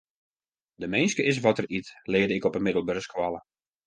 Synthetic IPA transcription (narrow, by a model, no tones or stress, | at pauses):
dəmɪjnskəʔɪs̬ʋɔtəritlɪːədəɪkɔpənmɪdəl̩ˠbørskwɔlˠə